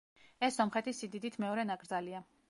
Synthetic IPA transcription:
ɛsːɔmχɛt̪ʰisid̪id̪it̪ʰmɛɔɾɛnaɡɾd̪zalia

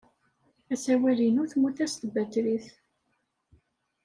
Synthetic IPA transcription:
æsæwælinʊɾθmuθæst̪əbæt̪ɾiθ

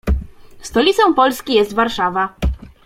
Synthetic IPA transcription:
st̪ɔlʲit̪sɔ̃w̃pɔlskʲijɛst̪vaɾʂava

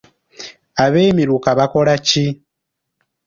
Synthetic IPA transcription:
aβeːmilukaβakoɾaci

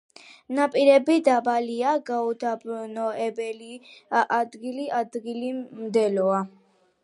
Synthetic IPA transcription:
napʼiɾɛbid̪abaliaɡaud̪abɾunɔɛbɛliʔad̪ɡiliʔad̪ɡilimd̪ɛlɔa

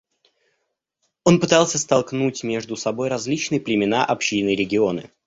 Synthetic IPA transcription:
o̞npɨt̪alˠsʲəst̪ɐlˠknutʲmʲe̞ʐd̪ʊsɐbo̞jɾɐzʲlʲit͡ɕnɨjəplʲɪmʲɪn̪aʔɐpɕːinɨɾʲɪɡʲɪo̞nɨ̰

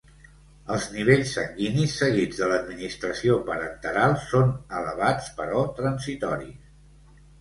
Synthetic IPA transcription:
əlˠzniβ̞eʎsːəŋɡinisːəɣid͡zðələd̪minist̪ɾəsiopəɾənt̪əɾalˠsːonələβat͡spəɾɔt̪ɾənzit̪ɔɾḭs

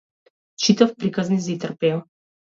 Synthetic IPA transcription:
t͡ʃit̪ɐfpɾikaznizit̪ərpɛɔ

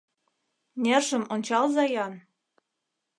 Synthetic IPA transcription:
nʲerʒə̆monʲt͡ɕɑlzɑjɑn

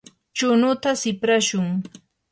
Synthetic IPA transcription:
t͡ʃʊnʊt̪asɪpɾaʃʊŋ

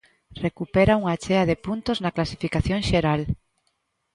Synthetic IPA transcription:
rekupɛɾauŋat͡ʃɛaðepunt̪oznɐklasifikaθjoŋʃeɾal

